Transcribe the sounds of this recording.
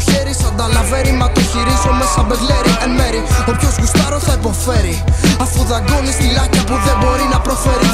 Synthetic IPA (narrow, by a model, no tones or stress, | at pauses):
çeɾisɐnd̪ɐlɐveɾimɐt̪oçiɾizomesɐbeɡleɾiʔeme̞ɾio̞pço̞zɣust̪ɐɾosθɐipo̞fe̞ɾiɐfuðɐɡo̞nist̪ilɐcɐpuðe̞bo̞ɾinɐpɾo̞feɾi